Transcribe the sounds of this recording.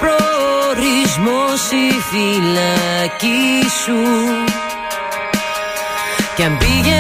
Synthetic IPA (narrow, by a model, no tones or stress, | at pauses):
pɾoɾizmosifilɐcisu | cɐmbiʝe